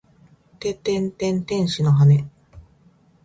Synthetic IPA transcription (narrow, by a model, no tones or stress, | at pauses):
t̪et̪ẽnt̪ẽ̞nt̪ẽ̞ɰ̃ɕino̞ɦane̞